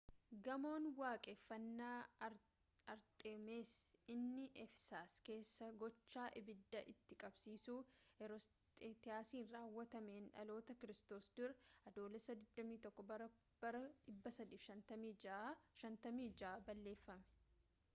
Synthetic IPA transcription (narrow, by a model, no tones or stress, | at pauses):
ɡɐmo̞ːnwaːkʼeːfːɐnːaː | ɐɾt̪ʼeːmeːsɪnːɪʔɛfsaːske̞ːsːɐɡɔt͡ʃːaːʔɪbɪd̪ːɐʔɪt̪ːɪkʼɐbsiːsuːɛɾɔs | t̪ʼet̪ɪaːsiːnraːwːɐt̪ɐmeːnᶑɐ̰lo̞ːt̪ɐkɪɾɪst̪o̞ːsd̪ʊɾɐʔɐd̪o̞ːlɛsːɐd̪ɪd̪ːɐmiːt̪ɔkːɔbɐɾɐ | bɐɾɐɪbːɐsɐd̪iːfʃɐnt̪ɐmiːʃɐnt̪ɐmiːd͡ʒaːbɐlːe̞ːfːɐmɛ̥